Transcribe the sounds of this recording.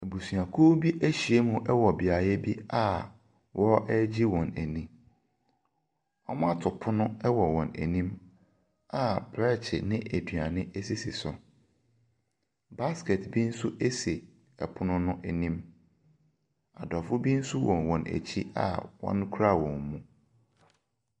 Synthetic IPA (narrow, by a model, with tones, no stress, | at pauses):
e˨bu˨su˨a˨kʰoː˦bi˦ʔæ˦ɕi˨e˦mũ˦ʔɛ˦wɔ˨bɪ˨a˨jɛ˦bi˦a˦ | wʔɔ˦ɛ˦d͡ʑi˦wɔ̃˨næ˨nĩ˦ | ɔ˦m˦a˦tʰʊ˨pʰʊ˦nʊ̃˦ɛ˦wɔ˨wɔ̃˨næ̰˨nĩ˦m | a˨bɾɛ˦t͡ɕʰɪ̰˨nɪ̃˦ʔæ˨dɥa˨nɪ̃˦ʔe˦si˦si˨sʊ˨ | ba˦skɛ˨tbi˦n̩˦su˦ʔe˦se˨ | ɛ˨pʰʊ˦nʊ̃˦nʊ̃˦ʔæ˨nĩ˦m | a˨dɔ˨fʊ˦bi˦n̩˦su˦wɔ̃˨nwɔ̃˨næ̰˨t͡ɕʰi˦a̰˨wɔ̰̃˦n˦kʰu˦ɾa˦wɔ̃˨mmũ˦